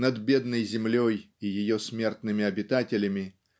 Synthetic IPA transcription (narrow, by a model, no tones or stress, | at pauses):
nɐd̪bʲed̪nəjzʲɪmlʲoj | ijɪjosʲmʲert̪nɨmʲɪɐbʲɪt̪atʲɪlʲəmʲɪ